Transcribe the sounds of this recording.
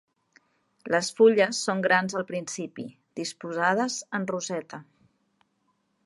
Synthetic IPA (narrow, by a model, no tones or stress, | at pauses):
ləsfuʎəsːoŋɡɾanzəlˠpɾinsipḭ | d̪ispuzað̞əzənruzɛt̪ə